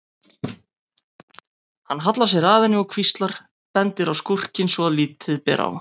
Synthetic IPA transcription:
hanːɦat̪las̬jɛɾaːðɪnɪɣɔkʰvist̪laɾ̥ | pɛnt̪ɪɾawskur̥cɪnsvɔaðliːt̪ɪðpɛ̰ːɾa̰w

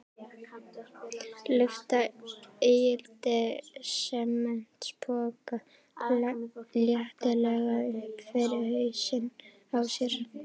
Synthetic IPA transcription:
lʏft̪aejɪlt̪ɪsɛmːɛn̥t̪spɔːka | kʰlaljɛht̪ɪlɛɣaʏhpfɪɾɪɾhœɥsɪn | awsjɛɾ̥

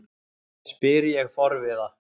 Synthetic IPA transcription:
spɪɾɪjɛɣfɔɾvɪða

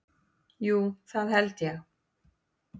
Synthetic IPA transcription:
juːθaðɦɛlt̪jɛx

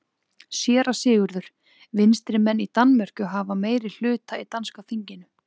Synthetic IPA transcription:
sjɛːɾasɪːɣʏɾðʏɾ̥ | vɪnst̪ɾɪmɛnːit̪anmœr̥cʏɦavameːjɾɪl̥ʏːt̪ait̪anskafiɲcɪnʏ

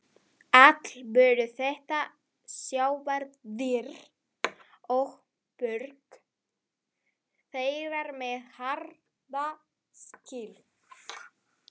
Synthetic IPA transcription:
at̪l̥vœːɾʏθɛht̪a | sjaːwvaɾððɪɾ | ɔɣ | pʏɾk | θeːjɾaɾmɛðhaɾ | va | scɪl

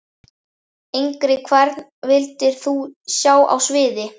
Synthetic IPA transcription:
ejŋkɾɪkʰvɛɾt̪nvɪlt̪ɪɾ̥θusjaːwʔa̰wsvɪːðɪ

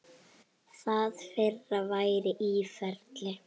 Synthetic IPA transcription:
θaðfɪrːavaːjɾɪʔiːfɛɾt̪lɪ

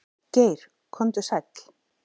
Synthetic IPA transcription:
ceːjɾ̥ | kʰɔnt̪ʏsak

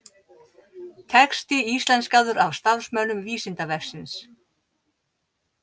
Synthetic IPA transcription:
t̪ʰɛkst̪ɪist̪lɛnskawðʏɾavst̪aɾsmœwnʏmviːsɪnt̪avɛfsɪns

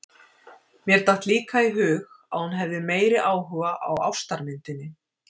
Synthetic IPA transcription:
mjɛɾ̥t̪aht̪liːkaiɦʏːɣ | a̰ðhunɦɛvðɪmeːjɾɪʔaːwɦʏvaʔawa̰wst̪aɾmɪnt̪ɪnːɪ

